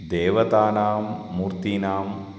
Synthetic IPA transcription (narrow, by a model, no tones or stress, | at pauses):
d̪eːʋɐt̪aːnaːmːuːɾt̪inaːm